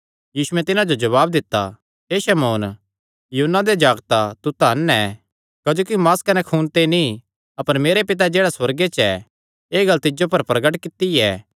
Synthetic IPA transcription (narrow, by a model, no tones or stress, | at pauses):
jiːʃʊɛ̃t̪ɪnãd͡ʒod͡ʒɐβaːbd̪ɪt̪ːa̰ | ɦeːʃɐmoːn | juɦunːad̪ed͡ʒaːɡt̪at̪ut̪aːnɛ | kɐd͡ʒoːkimaːskɐnɛkʰuːnt̪eni | ɐpəɾmeːɾepɪt̪̬ad͡ʒeːɽaswɐɾɡet͡ʃɛ | eːɡɐlt̪ɪd͡ʒopɐɾpɾɐɡəʈkɪt̪ːiɛ